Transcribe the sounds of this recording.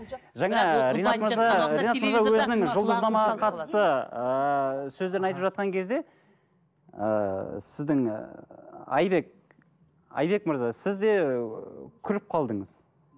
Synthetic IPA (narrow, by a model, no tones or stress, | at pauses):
ʒæɴɑɾenɑt̪məɾzɑɾejnɑt̪məɾzɑwwɵzɪnɪŋʒʊlˠd̪əzd̪ɑmɑʁɑqʰɑt̪ə̥st̪ə | sɵzd̪e̞ɾɪnɑjt̪əpʒɑt̪̚qɑŋkʲʰe̞zd̪e̞ | ə̰sɪzd̪ɪŋ | ɑ̰jbe̞k̚ | ɑ̰jbe̞kməɾzɑsɪzd̪e̞ | kʲʰʏɾɪp̚qʰɑlˠd̪əɴəz̥